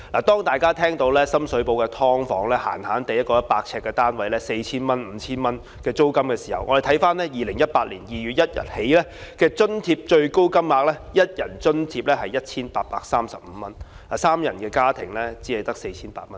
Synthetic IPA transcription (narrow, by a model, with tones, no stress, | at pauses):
laː˨˩t̪ɔː˥ŋt̪aː˨jkaː˥t̪ʰɛː˥ŋt̪o˨˧wlɛː˥sɐ˥msɵ˨˥po˧wkɛː˧t̪ʰɔː˥ŋfɔː˨˥ŋlɛː˥ha̰ː˨˩nhaː˨˥nt̪e˨jɐ˥t̚kɔː˧jɐ˥t̚paː˧k̚t͡sʰɛː˧kːɛː˧t̪aː˥nwɐ˨˥jlɛː˥se˧jt͡sʰiː˥nmɐ˥nm̩ː˨˧t͡sʰiː˥nmɐ˥n | kɛː˧t͡so˥wkɐ˥mkɛː˧siː˨˩hɐ˨˩wʔɔ̰ː˨˧ɾe˨t̪ʰɐ˨˥jfaː˥nlɛː˥jiː˨lɪ˨˩ŋjɐ˥t̚paː˧t̚liː˨˩njiː˨ɥyː˨t̚jɐ˥t̚jɐ̰˨t̚he˨˥jlɛː˥kɛː˧t͡ʃɵ˥nt̪ʰiː˧p̚t͡ʃɵ˧ɥko˥wkɐ˥mŋaː˨˧k̚lɛː˥jɐ˥t̚jɐ˨˩nt͡ʃɵ˥nt̪ʰiː˧p̚lɛː˥hɐ˨jɐ˥t̚t͡sʰiː˥npaː˧t̚paː˧k̚saː˥msɐ˨p̚m̩˨˧˦mɐ˥n | a˨˩saː˥mjɐ̰˨˩nkɛː˧kaː˥t̪ʰɪ̰˨˩ŋlɛː˥t͡siː˨˥hɛ˨˧jt̪ɐ˥k̚se˧jt͡sʰiː˥npa̰ː˧˥t̚mɐ˦˥n